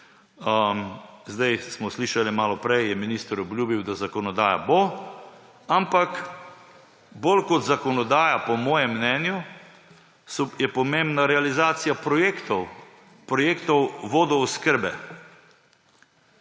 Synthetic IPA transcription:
zd̪ajsmɔsliːʃalimaːlɔpɾɛjjɛminiːst̪əɾɔbljuːbiwd̪azakɔnɔd̪aːja̰bo | ampak | bolkɔt̪zakɔnɔd̪aːjapɔmɔːjɛmːnɛnju | sɔjɛpɔmẽmbnaɾɛalizaːt̪sijapekt̪ɔ | pɾɔjeːkt̪ɔwʋoːd̪ɔɔskəɾbɛ

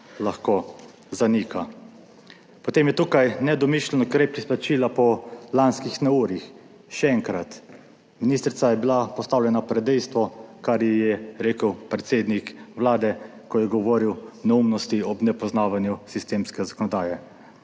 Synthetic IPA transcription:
laxko | zaniːka | pɔt̪eːmjɛt̪uːkajnɛd̪ɔmiʃlɛnɔkɾepisplat͡ʃiːlapɔlanskixnɛuːɾix | ʃɛɛŋkɾat̪ | miniːst̪ɾit̪sajɛbilapɔst̪aːwlʲjɛnapɾɛd̪ɛjst̪ʋɔkaɾjɛjɛɾeːkəwpɾɛt̪seːd̪nikʋlaːd̪ɛ | kɔjɛɡɔʋɔːɾiwnɛumnɔst̪iɔbnɛpɔznaːʋanjusist̪eːmskɛzakɔnɔd̪aːjɛ

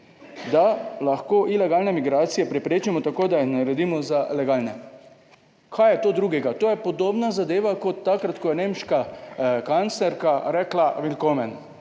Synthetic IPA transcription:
d̪alaxkoːʔilɛɡaːlnɛmiɡɾaːt̪sijɛpɾɛpɾeːt͡ʃimɔt̪akoːd̪ajixnaɾɛd̪iːmɔzalɛɡaːlnɛ | kʰaːjɛt̪oːd̪ɾuɡɛɡat̪oːjɛpɔd̪oːbnazad̪eːʋakɔt̪ːakɾat̪kɔjɛneːmʃkakant̪slɛɾkaɾɛːklaʋilkomɛn

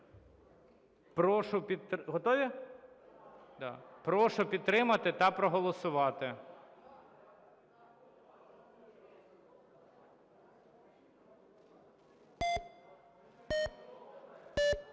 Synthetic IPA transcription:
pɾɔʃʊpʲit̪ɦɔt̪ɔʋʲi | d̪ɑ̰pɾɔʃʊpʲid̪̚t̪ɾɪmɐt̪ɪt̪ɐpɾɔɦɔlˠɔsʊʋɑt̪ɪ

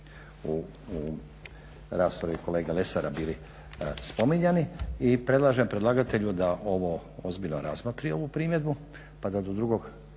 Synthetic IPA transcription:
u | ɾaːspɾaʋiko̞leːɡalesaɾabili | spo̞miɲaniipɾe̞d̪lˠaːʒempɾe̞d̪laːɡat̪eʎud̪aʔo̞ʋoozbilʎnoɾazmat̪ɾio̞ʋupɾiːmje̞d̪bu | pad̪ad̪o̞d̪ɾuɡo̞ɡ

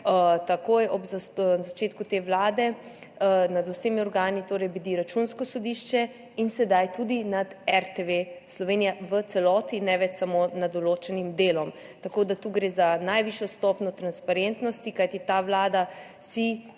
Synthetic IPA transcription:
ət̪akojɔbzanzat͡ʃeːt̪kut̪eːʋlaːd̪ɛ | nad̪usemiɔɾɡaːnit̪oːɾɛjbid̪iɾat͡ʃunskɔsɔd̪iʃt͡ʃɛ | insɛd̪ajt̪ud̪inad̪ɛɾt̪eʋeslɔʋeːnijaʋət̪sɛlɔːt̪inɛʋɛt͡ʃsamonad̪ɔloːt͡ʃɛnimd̪eːlɔm | t̪akoːd̪at̪uːɡɾeːzanajʋiʃjɔst̪ɔːpnɔt̪ɾanspaɾent̪nɔst̪ikajt̪it̪aːʋlaːd̪a | si

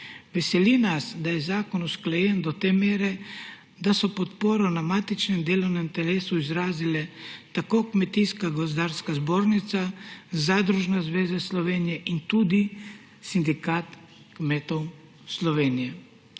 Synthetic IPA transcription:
ʋɛsɛlinasd̪ajɛzaːkɔnusklɛjɛnd̪ɔt̪eːmeːɾɛ | d̪asɔpɔt̪poːɾɔnamaːt̪it͡ʃnɛmd̪eːlɔwnɛmt̪ɛleːsuizɾaːzilɛt̪akoːkmɛt̪iskaɡɔzd̪aːɾskazboːɾnit̪sazad̪ɾuʒnazʋeːzaslɔʋeːnijɛʔint̪uːd̪i | sind̪ikaːt̪ | kmeːt̪ɔw | slɔʋeːnijɛ

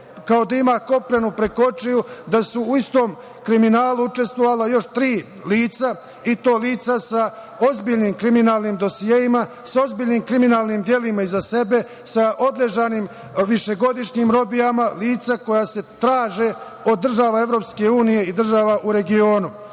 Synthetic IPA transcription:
kao̞d̪aimaːko̞pɾenupɾeko̞t͡ʃejud̪asuːist̪o̞ːm | kɾiminaːluut͡ʃe̞st̪ʋoʋalajo̞ʃt̪ɾiː | liːt̪sa | it̪o̞ːliːt̪sasa | ozbiːʎniːmkɾiminaːlniːmd̪o̞sijeːjima | sao̞zbiʎniːmkɾiminaːlˠnimd̪je̞limaizase̞be̞ | saʔo̞d̪le̞ʒanim | ʋiʃe̞ɡo̞d̪iʃɲimɾo̞bijamaliːt̪sako̞jaːse̞t̪ɾaːʒe | o̞d̪ːr̩ʒaːʋae̞vɾo̞pske̞uːnije̞id̪r̩ʒaʋaʔuɾe̞ɡio̞ːnu

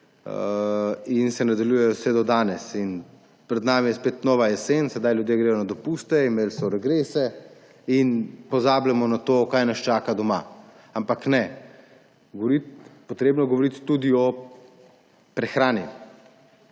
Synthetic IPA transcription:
insɛnad̪aljuːjɛjɔsʋɛd̪ɔd̪aːnɛsin | pɾɛd̪naːmijɛspeːt̪nɔːʋajɛsensɛd̪ajljud̪jeːɡɾɛːjɔnad̪ɔpuːst̪ɛimeːlsɔɾɛɡɾeːsɛ | inpɔzaːblɛmɔnat̪oːkaːjnast͡ʃaːkad̪ɔma̰ | ampaknɛ | ɡɔʋɔɾit̪pɔt̪ɾeːbnɔɡɔʋɔɾit̪ːud̪iɔ | pɾɛxɾaːni

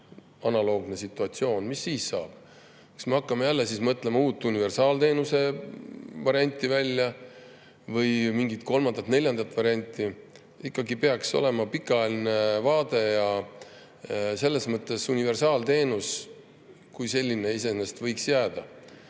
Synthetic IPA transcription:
ɑnɑlo̞ːɡne̞sit̪ːˑuɑt̪sio̞ːnmisːiːssɑ̰ːb̥̚ | kɑ̥sme̞ɑkːɑme̞jælːesiːsmɤt̪ːˑle̞mɑuːt̪ːˑunive̞rsɑːlt̪e̞ːnuse̞ | vɑɾiɑnʲt̪ʲːˑivælʲːjɑ | vɤjmiŋɡit̪̚ko̞lmɑnd̪ɑt̪ne̞lʲjɑnd̪ɑt̪ːˑvɑɾiɑnʲt̪ːˑi | ikːɑɡipeɑkso̞̰le̞mɑpikːˑɑɑjelinevɑːd̪e̞jɑ | se̞lːe̞smɤt̪ːˑe̞sunive̞rsɑːlt̪e̞ːnus | kujse̞lʲːineis̬e̞nest̪vɤjksjæːd̪̥ɑ

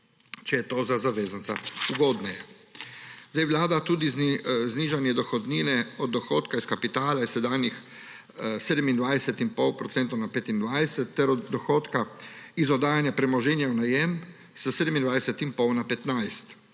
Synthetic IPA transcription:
t͡ʃɛjɛt̪ozazaʋeːzansa̰uɡoːd̪nɛja | zd̪ajʋwlaːd̪at̪uːd̪izzniːʒanjɛd̪ɔxɔd̪niːnɛɔd̪̚ːɔxoːt̪kaiskapit̪aːlaɛsɛd̪aːnjix | seːd̪ɛmind̪ʋajsɛt̪impɔwpɾɔtsɛnt̪ownapeːt̪ind̪ʋajsɛt̪ːɛɾɔd̪ːɔxoːt̪kaizɔd̪aːjanjapɾɛmɔʒɛnjawnajɛm | səseːd̪ɛmind̪ʋajsɛt̪impɔwnapɛt̪najst̪

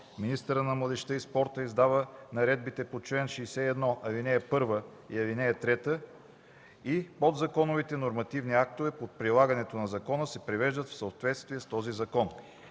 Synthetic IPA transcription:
minist̪əɾənɐmlˠəd̪ɛʃt̪əispɔɾt̪əizd̪avənɐɾɛd̪̚bit̪ɛpot͡ʃlɛnʃɛːsɛɛd̪nɔʔɐvinɛjəpɤɾvə | ḭɐvinɛjət̪ɾɛt̪ə | ipod̪zɐkɔnovit̪ɛnoɾmɐt̪ivniak̚t̪ovɛpot̪̚pɾilˠaɡɐnɛt̪onɐzɐkɔnəsɛpɾivɛʒd̪ət̪fsəot̪vɛt̪st̪viɛst̪ɔzizɐkɔn

